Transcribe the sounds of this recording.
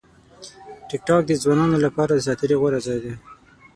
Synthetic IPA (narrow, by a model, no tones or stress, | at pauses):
ʈɪk̚ʈɑk̚d̪əzwɑnɑnolapɑɾad̪əsɑt̪əɾiɣoɾazɑjd̪e